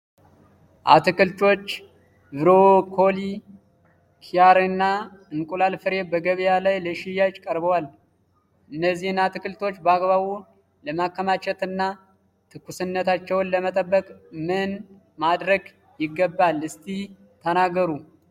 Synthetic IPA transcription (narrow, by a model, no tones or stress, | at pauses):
ʔa̰t̪ɨkɨlt̪ʰo̞t͡ʃː | vɨɾokʰo̞li | kʰijaɾnːa | ɨŋkʼulalfɨɾebəɡəβjalajləʃijat͡ʃʼkʼəɾbəwal | ʔɨnːəzːihɨnat̪ɨkɨlt̪ʰo̞t͡ʃːbəaɡβaβu | ləmakːəmat͡ʃɛt̪ɨnːa | t̪ʰɨkːusɨnːət̪at͡ʃːɛwnləmət̪ʼəbːəkʼmɨn | mad̪ɾəɡ | jɪɡːəbːalɨst̪ʰi | t̪ʰənaɡəɾu